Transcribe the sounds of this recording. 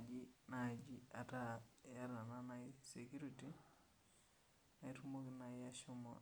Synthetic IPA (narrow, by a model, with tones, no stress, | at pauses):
d͡ʒi˦na˨d͡ʒi˦a˨ta˦ja˦ɾa˨na˦na˦ɪse˨kju˦ɾi˦ti˦ | na˨i˦tu˦mo˦kɪ˦na˨ɪa˦ʃʊ˦mɔ̰˨